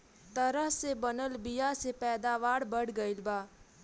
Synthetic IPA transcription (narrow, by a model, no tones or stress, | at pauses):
t̪əɾəɦsebənəlbɪjasepɛːd̪aːʋaːɽbəɽɡəɪlbaː